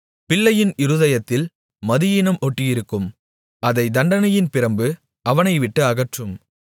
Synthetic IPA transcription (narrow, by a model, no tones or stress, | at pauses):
pɪɭːɐjɪnɪɾɯðɐjɐt̪ːɪl | mɐðɪjɪnɐmɔʈːɪjɪɾɯkːɯm | ɐðɐɪd̪ɐɳɖɐnɐjɪnpɪɾɐmbɯ | ʔɐʋɐnɐɪʋɪʈːɯɐɣɐʈrɯm